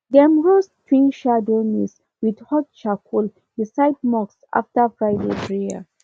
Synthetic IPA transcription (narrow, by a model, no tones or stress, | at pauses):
dɛ̃mɹostʰwĩŋʃadonis | widhɔt̚t͡ʃakʰul | bisajd̚mɔksa̰ftəfɹajdepɹia̰